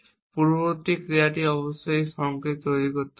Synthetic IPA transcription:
puɾbot̪ikɾiaʈiɔbɔsajsɔŋket̪ojɾikoɾt̪

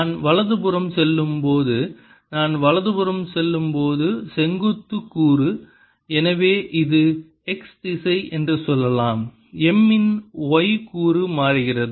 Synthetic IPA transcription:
naːnʋɐɭɐðɯbɯrɐmsɛlːɯmpoːðɯ | naːnʋɐɭɐðɯbɯɾɐmsɛlːɯmpoːðɯsɛŋɡɯt̪ːɯkːuːrɯ | ɛnɐʋeːʔɪðɯ | ɛksd̪ɪsɐɪʔɛndrɯsɔlːɐlaːm | ɛmːɪnɔɪkuːrɯmaːrɯɣɪrɐðɯ

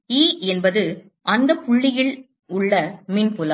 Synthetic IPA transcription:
iːɛnbɐðɯ | ʔɐnd̪ɐpʊɭːɪjɪɭ | ʊɭːɐmɪnpʊlɐ

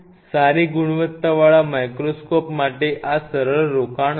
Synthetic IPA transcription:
saɾiːɡuɽ̃ʋət̪ːaʋaɭamajkɾoskɔpmaʈeʔasəɾəɭɾokaɳ

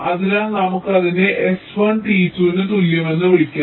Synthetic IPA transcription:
ɐðilaːnɐmukːɨɐðineʔesʋɐɳʈiːtːuenːɨt̪uljɐme̞nːɨʋiɭikʲːa

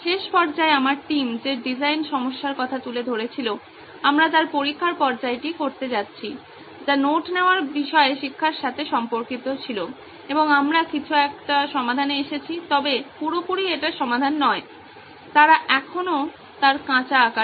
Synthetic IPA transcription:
ʃeʃpɔɾd͡ʑaeamaɾʈimd͡ʑeɖid͡ʑajnʃɔmoʃːaɾkɔt̪ʰat̪uled̪ʱoɾet͡ɕʰilo | amɾat̪aɾpoɾikʰːaɾpɔɾd͡ʑaeʈikoɾt̪ed͡ʑatːɕʰi | d͡ʑanoʈneoaɾbiʃɔeʃikʰːaɾʃat̪ʰeʃɔmpoɾkit̪ot͡ɕʰilo | eboŋamɾakit͡ɕʰuɛk̚ʈaʃɔmad̪ʱaneeʃet͡ɕʰit̪ɔbepuɾopoɾieʈaʃɔmad̪ʱanːɔe | t̪aɾaʔɛkʰono | t̪aɾkãt͡ɕaːka

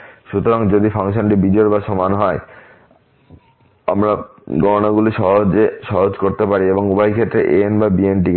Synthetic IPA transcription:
ʃut̪oɾaŋd͡ʑod̪ifʰaŋʃ̬onʈibid͡ʑɔeɾbaʃɔmanɦɔe | a̰mɾaɡɔɾonaɡuliʃɔɦod͡ʑeʃɔɦod͡ʑkoɾt̪epaɾieboŋubajkʰet̪ːɾeʔenbabienʈ̬ike

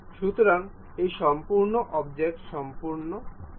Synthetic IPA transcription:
ʃut̪oɾan | ejʃɔmpuɾnoʔɔbd͡ʑek̚ʈʃɔmpuɾno

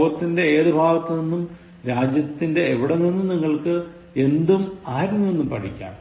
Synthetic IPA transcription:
ɐt̪ːinde̞eːðubʱaːɣɐt̪ːɐninːum | ɾaːd͡ʑjɐt̪ːinde̞ːʋiɽeninːumniŋːɐɭkɨ | e̞nd̪umaːɾunːue̞nːumpɐʈʰikʲːa̰ːm

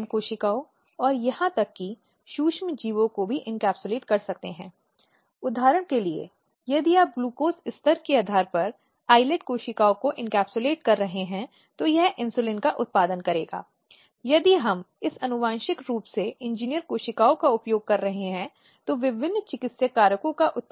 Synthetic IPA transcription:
mkoːʃɪkaːo | ɔːɾjɐɦãt̪ɐkːi | ʃuːʃmd͡ʒiːʋõkobʱiʔɪ̃nkɛːpsʊleːʈkɐɾsɐkt̪eɦɛ̰̃ː | ʊd̪ʱaːɾəɽ̃keliḛ | jɐd̪iaːp̚ɡluːkoːsɪst̪əɾkiaːd̪ʱaːɾpɐɾ | aːɪlɛʈkoːʃɪkaːokoʔɪ̃nkɛːpsʊleːʈkɐɾːɐɦeɦɛ̃ | t̪ojɛɦʔɪ̃nsulɪnkaʔʊt̪̚paːd̪ənkɐɾeːɡa̰ː | jɐd̪iɦɐmɪsɐnʊʋãːnʃɪkɾuːpseɪ̃nd͡ʒiːnijəɾkoːʃɪkaːokaʊpjoːɡ̚kɐɾːɐɦeɦɛ̃ | t̪oʋɪʋɪnːt͡ʃɪkɪt̪sjəkaːɾjəkõkaʔʊt̪̚

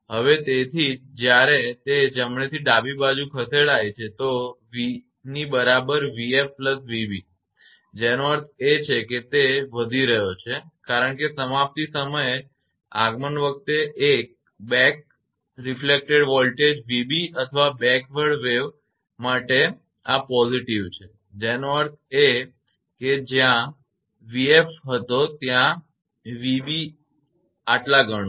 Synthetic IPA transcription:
ɦəʋet̪et̪ʰid͡ʒjaɾet̪ed͡ʒəmɳet̪ʰiɖabibad͡ʒũkʰət̪ʰeɭajt͡ʃʰet̪oʋi | nibəɾabəɾʋiefpləsʋibi | d͡ʒenoəɾt̪ʰet͡ʃʰeket̪eʋəd̪ʱiɾəɦjot͡ʃʰekaɾəɳkesəmap̚t̪isəməje | a̰ɡmənʋək̚t̪eʔek̚ | bɛk̚ | ɾiflek̚ʈeɽʋɔlʈed͡ʒʋibiət̪ʰəʋabɛ̃kʋəɽʋeʋ | maʈe | apɔziʈiʋt͡ʃʰe | d͡ʒenoəɾt̪ʰe | ked͡ʒjã | ʋiefɦət̪ot̪jã | ʋibi | aʈlaɡʱəɽ̃

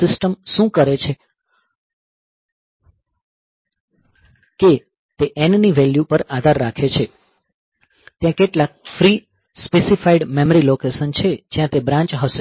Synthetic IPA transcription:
ɪsʈəmʃũkəɾet͡ʃʰe | ke | t̪eʔɛnniʋeljupəɾad̪ʱaɾːakʰet͡ʃʰe | t̪jãkeʈlak̚fɾi | spesifaiɖmeməɾilokesənt͡ʃʰed͡ʒjãt̪ebɾãɲt͡ʃɦəʃe

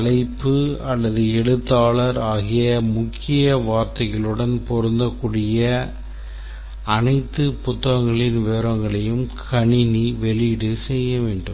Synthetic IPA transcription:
ɐlɐɪpːɯɐlːɐðɯɛɽɯt̪ːaːɭɐɾaːɣɪjɐmʊkʰːɪjɐʋaːɾt̪ɐjɐɭɯɽɐnpɔɾɯnd̪ɐkːuːɽɪjɐ | ɐnɐɪt̪ːɯpʊt̪ːɐɣɐŋɡɐɭɪnʋeːɾɐŋɡɐɭɐjɯmkʰɐɳɪniʋɛɭɪɽɯsɛjːɐʋeːɳɖɯmm

